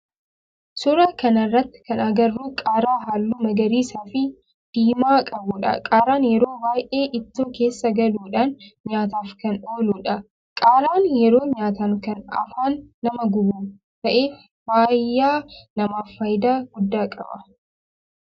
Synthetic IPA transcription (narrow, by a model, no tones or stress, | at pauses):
sʊɾɐkɐnɐrːɐt̪ːɪ̥kɐnɐɡɐrːuːkʼaːɾaːɦaːlːuːmɐɡɐɾiːsaːfɪ | d̪̥iːmaːkʼɐbʊᶑɐ̰kʼaːɾaːnjɛɾo̞ːwaːjʔe̞ːʔɪt̪ːoːke̞ːsːɐɡɐluːᶑanɲaːt̪aːfkɐno̞ːluːᶑɐ | kʼaːɾaːnjɛɾo̞ːɲaːt̪ɐŋkɐnɐ̰faːnːɐmɐɡʊbuː | t̪ɐʔe̞ːf | baːjːaːnɐmaːfːɐjɪd̪aːɡʊd̪ːaːkʼɐ̰bɐ̰